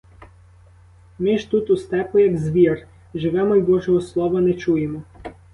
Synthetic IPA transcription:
mɪʒt̪ut̪ust̪ɛpʊjɐɡzʋʲir | ʒɪʋɛmɔjbɔʒɔɦɔslˠɔʋɐnɛt͡ʃujemɔ

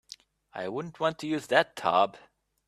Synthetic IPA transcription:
a̰ɪwʊdⁿn̩ʔwɑ̃ntʰɨjʉzðɨtʰɑ̰b̥

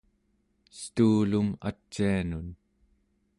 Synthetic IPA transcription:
st̪uːluma̰t͡ʃːianun

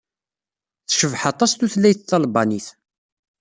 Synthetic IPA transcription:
θʃəvħɑt̪ˤːɑst̪uθlːæjθθːɑlbɑniθ

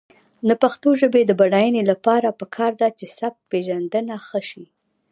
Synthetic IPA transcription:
d̪əpaxt̪oʒəbed̪əbaɽajənelapɑɾapəkʰɑɾd̪at͡ʃesaf̚peʒand̪ənaxəʃi

